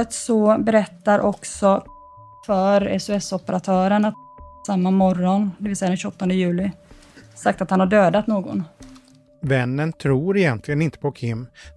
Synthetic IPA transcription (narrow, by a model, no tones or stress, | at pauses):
ət̪sɔbɛɾɛt̪ːaɾʔɔksɔ | fœɾɛ̰sʊɛsɔpəɾat̪ʰœːɾənatsamːamɔɾɔnd̪ɛvɪlsɛjad̪ɛnɕʏɔt̪ːɔnd̪əjʉ̟ːlɪsak̚t̪at̪hanhaɖøːd̪at̪noːɡɔ̰n | vɛnːənt̪ʰɾuːɾɪjɛnt̪ʰlɪɡənɪnt̪ə̥pʰɔkʰɪmː